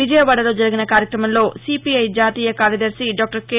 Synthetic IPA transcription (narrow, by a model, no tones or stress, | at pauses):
id͡ʒɐjɐʋɐɽɐloːd͡ʒɐɾiɡinɐkaːɾjɐkɾɐmɐmlo̞ːsiːpiɐjd͡ʒaːt̪iːjɐkaːɾjɐd̪ɐɾsiɖɔːk̚ʈɐɾkeː